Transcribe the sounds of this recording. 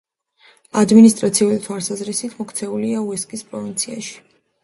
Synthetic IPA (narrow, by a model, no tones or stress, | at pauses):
ad̪minist̪ʼɾat̪sʰiulit̪ʰwalˠsazɾisit̪ʰmɔkʰt̪sʰɛuliauɛskʼispʼɾɔvint̪sʰia̰ʃi̥